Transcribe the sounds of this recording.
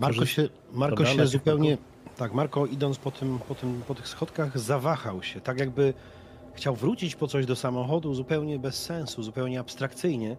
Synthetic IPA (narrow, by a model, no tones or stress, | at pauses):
maɾkɔɛ | maɾkkɔɕɛzupɛwɲɛ | t̪akmaɾkɔid̪ɔnt̪pɔt̪ʰɘmpɔt̪ɘmpɔt̪ɘxsxɔt̪kaɣzavaxawɕɛt̪akjaɡ̚bɘ | xt͡ɕawvɾut͡ɕit͡ɕpɔt̪sɔʑd̪ɔsamɔxɔd̪uzupɛwɲɛbɛsːɛ̃ñsuzupɛwɲɛapst̪ɾakt̪sɘjɲɛ